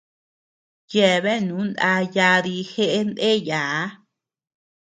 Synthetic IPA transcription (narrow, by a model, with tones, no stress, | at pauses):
je˨βe˦˨nũ˨˦nd̪a˧ja˧ði˧xe˦ʔe˦nd̪e˦ja˨˦